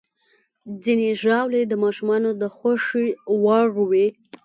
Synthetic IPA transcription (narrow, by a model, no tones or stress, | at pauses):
d͡zineʒɑwled̪əmɑʃumɑnod̪əxaʂiwɑʐuwe